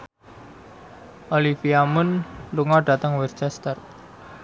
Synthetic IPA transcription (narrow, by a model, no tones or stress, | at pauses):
ʔolifiamʊnluŋɔɖ̥a̤t̪əŋwɛrt͡ʃɛst̪ər